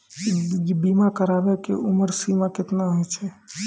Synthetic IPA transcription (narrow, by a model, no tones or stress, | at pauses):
bimakəɾabekḛʔuməɾsimaket̪naɦojt͡ʃʰɛ